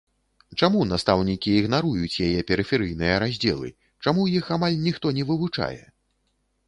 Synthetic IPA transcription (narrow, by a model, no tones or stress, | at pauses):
t͡ʂamunast̪awnʲikʲiːɣn̪aɾujut͡sʲjajɛpʲɛɾɨfʲɛɾɨjnɨjɐɾazʲd͡zʲɛ̰lˠɨ̰ | t͡ʂamujixamalʲnʲixt̪ɔnʲɛvɨvut͡ʂa̰jɛ̰